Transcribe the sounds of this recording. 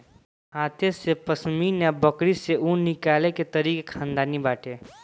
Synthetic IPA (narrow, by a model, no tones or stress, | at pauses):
aːt̪ʰesepəsminabəkɽiseũnɪkaːleket̪ɐɾiːkekʰãːnd̪aːnibaːʈʰeː